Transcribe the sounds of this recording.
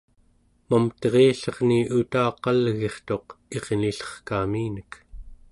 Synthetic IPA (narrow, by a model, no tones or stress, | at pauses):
mamt̪ʁeːɬʌʁniut̪aːqɑlɣe̞χt̪o̞qe̞ʁniɬʌ̥χkaːmiːnək